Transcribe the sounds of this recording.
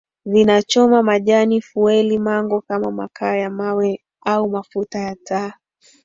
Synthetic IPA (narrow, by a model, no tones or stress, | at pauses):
ðinat͡ʃɔmamaʄanifuɛlimaŋɡɔkamama̰kaːjamawɛ | aumafutajataː